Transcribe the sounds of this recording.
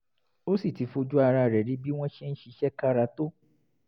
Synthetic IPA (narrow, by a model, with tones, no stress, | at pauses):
o˦si˦˨ti˨˦fo˧d͡ʒu˦a˧ɾa˧˨ɾɛ˨ɾi˨˦bi˦w̃ɔ̃˦ʃe˦n̩˦ʃi˧ʃɛ˦ka˦ɾa˧to˦